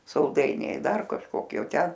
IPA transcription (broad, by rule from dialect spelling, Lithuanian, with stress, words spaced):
sɐlˠˈdɐɪnʲɛɪ ˈdɐr kɐʃˈkoːkʲiɛ oː ˈtʲɛn